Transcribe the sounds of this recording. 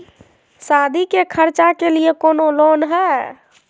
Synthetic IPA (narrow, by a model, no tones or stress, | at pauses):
sad̪ʱikekʰəɾt͡ʃakeliekonolonɦɛ